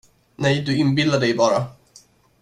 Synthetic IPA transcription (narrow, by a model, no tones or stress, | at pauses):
nɛjd̪ɵɪnbɪlaɖɛjbɑːɾa